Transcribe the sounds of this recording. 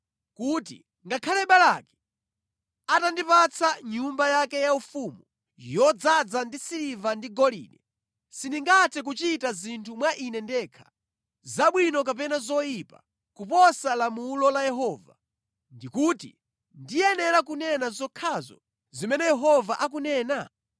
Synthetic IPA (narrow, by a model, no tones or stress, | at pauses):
kutḭ | ŋɡakʰalɛɓalakɛ̥ | atandipat͡sʰaɲumbajakɛjaufumu | jjɔd͡zad͡zandisiɾivandiɡɔlḭːnɛ | sindiŋɡatʰɛk̬ut͡ʃitazintʰumwaʔinɛndɛkʰḁ | zaɓwinɔk̬ap̬ɛnazɔjipa̰ | kupɔsalamulɔlajɛɦɔːva̰ | ndikutḭ | ndijɛnɛɾak̬unɛnazɔkʰazɔ̰ | zimɛnɛjɛɦɔvaʔak̬unɛːna